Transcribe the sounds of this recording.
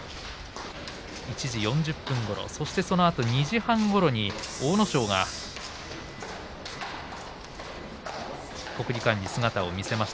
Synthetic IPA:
it͡ɕiʑijõ̞ɲ̟d͡ʑɯpːɯ̃ŋɡo̞ɾo̰so̞ɕi̥t̪e̞so̞no̞at̪o̞ɲ̟iʑihãŋɡo̞ɾo̞ɲ̟io̞ːno̞ɕo̞ːɡa̰ | ko̞kɯ̟ɾʲikãɲ̟ːisɨɡat̪ao̞mʲise̞maɕi̥t̪a

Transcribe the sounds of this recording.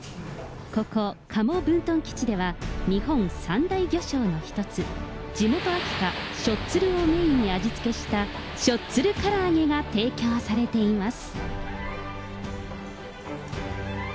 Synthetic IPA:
ko̞ko̞kʰamo̞bɯ̟̃nt̪õ̞ŋkʲi̥t͡ɕid̪e̞βaɲ̟ihõ̞ɴ̃sãnd̪aiɡʲo̞ɕo̞ːno̞çi̥t̪o̞t͡sɨ | d͡ʑimo̞t̪o̞akʲi̥kaɕo̞tt͡sɨɾɯ̟o̞me̞iɲ̟iad͡ʑit͡sɨ̥ke̞ɕi̥t̪a | ɕo̞tt͡sɨɾɯ̟kaɾaːŋe̞ɡat̪e̞ːkʲo̞ːsaɾe̞t̪e̞imasɨ̥

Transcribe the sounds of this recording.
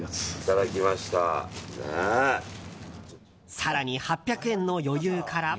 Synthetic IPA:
t̪ad̪akʲimaɕi̥t̪a̰ne | saɾaɲ̟ihapʲːjakɯ̟ẽ̞nːo̞jo̞jɯːkʰaɾa

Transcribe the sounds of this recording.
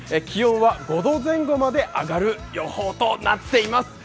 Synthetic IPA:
ekʲijõɰ̃βaɡo̞d̪o̞ːzẽ̞ŋɡo̞mad̪e̞ʔaɡaɾɯ̟jo̞hoːt̪o̞na̰t̪ːe̞imasɨ̥

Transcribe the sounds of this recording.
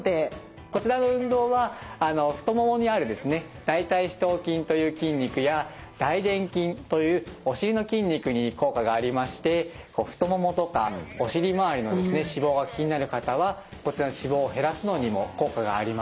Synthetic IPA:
t̪e̞ | ko̞t͡ɕiɾano̞ɯ̟̃nd̪o̞ːβaːno̞ɸɯ̥t̪o̞momo̞ɲ̟iaɾɯ̟d̪e̞sɨne̞ | d̪̥ait̪aiɕi̥t̪o̞ːkʲĩnt̪o̞jɯ̟ːkʲĩɲʲːikɯ̟jad̪̥aid̪ẽ̞ŋkʲĩnt̪o̞jɯ̟ːo̞ɕiɾʲino̞kʲĩɲʲːikɯ̟ɲ̟iko̞ːkaɡaːɾʲimaɕi̥t̪e̞ | ko̞̰ːɸɯ̟̥t̪o̞mo̞mo̞t̪o̞ka̰o̞ɕiɾʲimaaɾʲino̞d̪esɨne̞ɕibo̞ːɡakʲiɲ̟inaɾɯ̟kat̪aβako̞t͡ɕiɾanoɕibo̞ːɦe̞ɾasɨno̞ɲ̟imo̞ko̞ːkaɡa̰ːɾʲima

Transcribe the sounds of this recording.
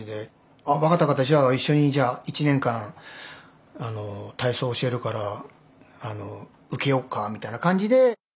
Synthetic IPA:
id̪e̞ | aβakat̪ːakat̪ːaʑaːiɕːo̞ɲ̟id͡ʑaːit͡ɕinẽ̞ŋkãɰ̃ | ano̞t̪aiso̞ːɕi̥e̞ɾɯ̟kaɾa | ano̞ | ɯ̟ke̞jo̞kːamʲit̪ainakãɲ̟d͡ʑid̪e̞

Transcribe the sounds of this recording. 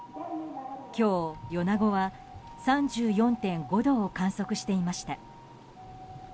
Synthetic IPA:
kʲo̞ːjo̞naɡo̞βa | sãɲd͡ʑɨːjõ̞nt̪ẽ̞ŋɡo̞d̪o̞ːkãɰ̃so̞kɯ̟ɕi̥t̪e̞imaɕi̥t̪a

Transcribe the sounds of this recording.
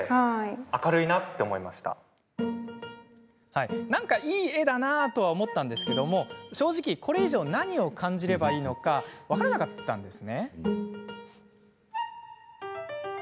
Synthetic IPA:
haakaɾɯ̟inat̪ːe̞omo̞ima̰ɕi̥t̪a̰ | hainãŋkaʔiːe̞d̪anat̪o̞β̞aomo̞t̪ːãnd̪e̞sɨ̥ke̞d̪o̞mo̞ɕo̞ːʑikʲikʰo̞ɾe̞iʑo̞ːnaɲ̟io̞kʰãɲ̟d͡ʑiɾe̞baiːno̞kaβakaɾanakat̪ːã̰nd̪e̞sɨne̞

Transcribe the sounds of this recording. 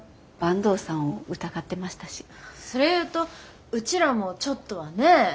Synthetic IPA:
b̥ãnd̪o̞ːsãɰ̃oɯ̟t̪aɡat̪ːe̞maɕi̥t̪aɕi̥sso̞ɾe̞jɯ̟ːt̪o̞ | ɯ̟t͡ɕiɾamo̞t͡ɕo̞t̪ːo̞βane̞

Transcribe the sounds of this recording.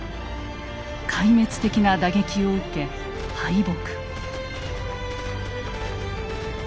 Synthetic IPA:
kʰaime̞t͡sɨ̥t̪e̞kʲinad̪aɡe̞kʲio̞ɯ̟ke̞ | haid̪okɯ̥

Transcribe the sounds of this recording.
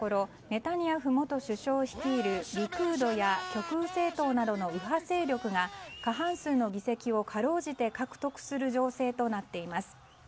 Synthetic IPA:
o̞ɾo̞ | me̞t̪aɲ̟iaɸɯ̟mo̞t̪o̞ɕɨɕo̞ːçi̥kʲiːɾɯ̟ɾʲikɯ̟ːd̪o̞jakʲo̞kɯse̞ːt̪o̞ːnad̪o̞no̞iɦase̞ːɾʲjo̞kɯ̟ɡakaɦãɰ̃sɨːno̞ɡʲise̞kʲio̞kʰaɾo̞ːʑit̪e̞kakɯ̟̥t̪o̞kɯ̟̥sɨɾɯ̟ʑo̞ːse̞ːt̪o̞nat̪ːe̞imasɨ̥

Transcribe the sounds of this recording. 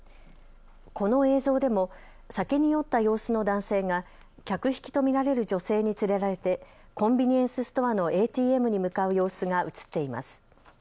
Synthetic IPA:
ko̞no̞e̞ːzo̞ːd̪e̞mo̞ | sake̞ɲ̟ijo̞t̪ːajo̞ːsɨno̞d̪ãɰ̃se̞ːŋa | kʲakɯ̟çi̥kʲi̥t̪o̞mʲiɾaɾe̞ɾɯ̟ʑo̞se̞ːɲ̟it͡sɨɾe̞ɾaɾe̞t̪e̞kõ̞mbʲiɲ̟iẽ̞ɰ̃sɨsɨ̥t̪o̞βano̞ʔe̞ːt̪ʲiːe̞mɯ̟ɲ̟imɯ̟kaɯ̟jo̞ːsɨɡaʔɯ̟t͡sɨ̥t̪ːe̞ima̰sɨ̥

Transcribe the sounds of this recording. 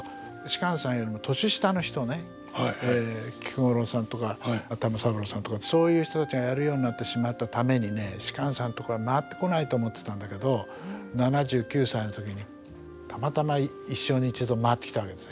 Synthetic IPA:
ɕi̥kãɰ̃sãɰ̃jo̞ɾimo̞t̪o̞ɕɨɕi̥t̪ano̞çi̥t̪o̞ne̞ | hekʲi̥kɯŋoɾo̞sãnt̪o̞kat̪amasabɯ̟ɾosãnt̪o̞kaso̞ːjɯ̟ːçi̥t̪o̞t̪at͡ɕiɡajaɾɯjo̞ːɲ̟inat̪ːe̞ɕimat̪ːat̪ame̞ɲ̟ine̞ɕi̥kãɰ̃sãnt̪o̞koamaat̪ːe̞̥ko̞nait̪o̞ːmo̞t̪ːe̞̥t̪ãnd̪ake̞d̪o̞ | nanaʑɨːkʲɨːsainot̪o̞k̬ʲiɲ̟i | t̪ʰamat̪amai | iɕːo̞ɲ̟iːt͡ɕɨd̪omaːt̪ːe̞kʲi̥t̪aβake̞d̪e̞sɨn

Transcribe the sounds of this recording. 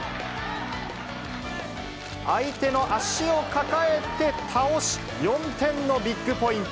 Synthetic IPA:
ait̪e̞no̞ʔaɕio̞kakae̞t̪e̞t̪ʰaoɕi̥ | jõ̞nt̪ẽ̞nːo̞bʲikːɯ̟po̞ĩnt̪

